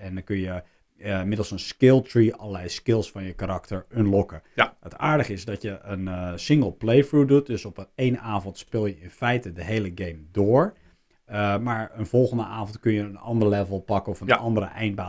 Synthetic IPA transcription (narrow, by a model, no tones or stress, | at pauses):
ɛnəkønjə | ɪmɪdl̩ˠsənskɪlˠtriɑlˠəlɛjskɪlˠsfɑnjəkaɾɑktəɹønlɔkəətaːɹdəχəɪzdɔtjəʔənsɪŋɡəlˠplejfɹudut̚døsɔpejnaːvɔntspɪlˠjəɪnfɛjtədəɦejləɡejmdoːɹ | maɹənvɔlˠɣəndəaːvɔntkɵnjəənɑ̰ndərəlɛvəlˠpɑkəɔfənɑndəɾəʔɛjnbaː